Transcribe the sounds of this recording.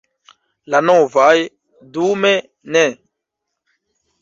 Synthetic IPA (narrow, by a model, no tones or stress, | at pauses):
lanɔ̃vaj | d̪umɛ | nɛ̃